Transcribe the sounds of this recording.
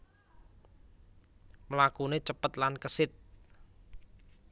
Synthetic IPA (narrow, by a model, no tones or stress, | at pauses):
məlakunet͡ʃəpət̪̚lankəsɪt̪̚